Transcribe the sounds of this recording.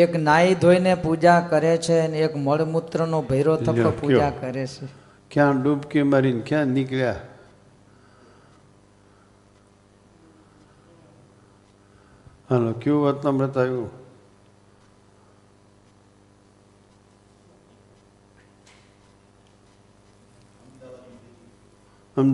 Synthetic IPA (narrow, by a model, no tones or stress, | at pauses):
eknaid̪ʱoinepud͡ʒakəɾet͡ʃʰeneːkməɭmut̪ɾənobʱəiɾotʰəəpud͡ʒakəɾet͡ʃʰe | kjãɖubkeməɾinkjãniklja | ɦalokeũʋət̪əmɾət̪ajũ | əm